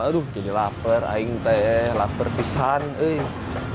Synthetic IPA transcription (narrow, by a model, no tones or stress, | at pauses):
adud͡ʒadilapəra̰iŋt̪ɛlapərpisanəj